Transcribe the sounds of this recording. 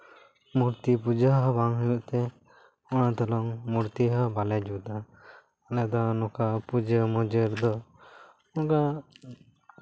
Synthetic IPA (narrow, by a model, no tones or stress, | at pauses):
muɾt̪ipud͡ʒəɦabaŋɦəjuʔt̪ɛ | ɔñat̪ɔlɔŋmuɾt̪iɦabalɛd͡ʒud̪aː | nɛd̪ɔnɔkapud͡ʒəmɔd͡ʒəɾd̪ɔ | ɔka